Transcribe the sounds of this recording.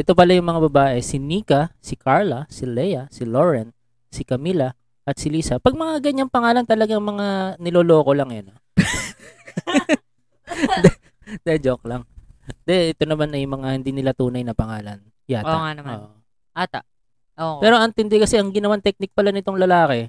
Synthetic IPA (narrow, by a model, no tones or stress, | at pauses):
ʔɛt̪o̞pɐlajʊŋmɐŋabɐbaːʔɛsɪniːkɐsɪkʰaɹlɐsɪlɛjɐsɪloɹɛn | sɪkɐmilɐ | ʔɐt̪sɪliːsɐpɐɡ̚mɐŋaɡɐɲːaŋpɐŋaːlɐnt̪ɐlɐɡaŋmɐŋanɪloːlo̞ːko̞lɐŋjonɐ | d̪ɛ | d̪ɛd͡ʒok̚lɐŋd̪ɛʔɛt̪o̞nɐmanɐjmɐŋahɪnd̪iːnɪlat̪uːnɐjnɐpɐŋaːlɐn | jaŋanɐmːʔo | ʔat̪a | ʔopɛːɾoʔɐŋt̪ɪnd̪ɛkɐsɛʔɐŋɡɪnɐwant̪ɛk̚nɪk̚pɐlanɪt̪o̞ŋlɐlaːkɛ